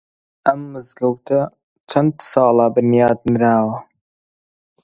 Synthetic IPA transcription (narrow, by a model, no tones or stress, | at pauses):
ɐmːɨzɡɐwt̪ʰɐ | t͡ʃʰɐnd̪sɑːlɑbɨnjɑːd̪nɨɾaːwɐ